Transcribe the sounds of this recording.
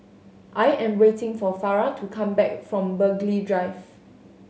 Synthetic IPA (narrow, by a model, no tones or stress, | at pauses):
ʔajɛ̃mɹetɪ̃ŋfɔfaɹatʰukʰãmbɛk̚fɹɔ̃mbəɡlidɹaɪv